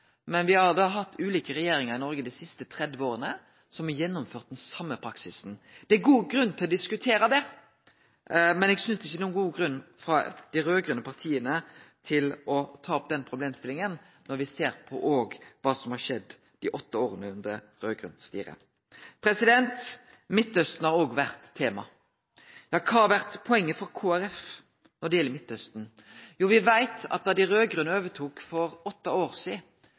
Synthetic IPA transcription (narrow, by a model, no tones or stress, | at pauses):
mɛnʋɪhɑd̪ɑːɦɑt̪ːʉːliːkəɾɛjeːɾɪŋəʁɪnɔɾɡəd̪æɪsɪst̪ət̪ʰɾɛd̪ʋəoːʁənə | sɔmæjɛnːʊmføːʁt̪̚d̪ɛnsɑmːəpʰɾɑksɪsn̩d̪̥ɛæɡuːɡɾʉnːt̪ʰɪlɔd̪ɪskʉt̪ʰeːɾɑd̪ɛ | mɛnɛːɡsʏnsd̪ɛɪçːənuːnɡuːɡʁʉnːfɾɑ̰d̪̥ɪɾøːɡɾʉnəpʰɑʁt̪ʰiːənət̪ʰɪlɔt̪ʰɑːɔp̚d̪ɛnpʰɾʊbleːmst̪ɪlɪŋən | nɔɾʋɪseːɾpʰɔʔoːɡʋɑːsɔmhɑʂɛd̪ː | d̪̥ɪʔɔt̪ːəoːɾənəʉnd̪əɾ | ʁøːɡɾʉ̰nst̪ḭːɾə̰ | pʰɾɛsɪd̪ɛnt̪ | mɪt̪ːœst̪n̩hɑɾoːɡʋæʁt̪ʰːeːmɑ | jɑkʰɑʋæʁt̪pʰɔɛŋːəfɔɾkʰoːæɾɛf | nɔɖɛjɛlːəmɪt̪ːœst̪n̩juːʋɪʋæɪt̪ɑ̰t̪̚d̪ɑd̪ɪɾøːɡʁʉːnəoːʋət̪ʰuːkfɔɾɔt̪ːəoːʁsiː